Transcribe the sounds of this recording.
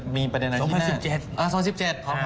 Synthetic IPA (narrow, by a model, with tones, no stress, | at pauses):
miː˧pɾa˧de˧nʔa˧˨˦aː˧˥si˨˩t͡ɕe˨˧˩t̪̚ʔaː˧˩sɔː˨˦ŋsi˨˩pt͡ɕe˨˩t̪̚kʰɔː˨˧˦